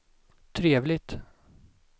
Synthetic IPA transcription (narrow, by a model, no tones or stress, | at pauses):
t̪ʰɾeːvlɪt̪